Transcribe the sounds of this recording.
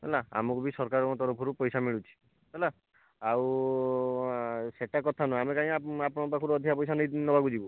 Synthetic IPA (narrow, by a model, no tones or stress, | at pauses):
ɦɛ̰laa̰mɔkubisɔɾkaɾɔɔt̪ɔɾɔpʰɔɾupɔjsamiɭut͡ʃʰi̥ | ɦɛla | aw | seʈakɔt̪ʰanɔamekaĩaapɔñɔbakʰɔɾuɔd̪ʱjapɔjsanɔjnɔbʱaɡud͡ʒibu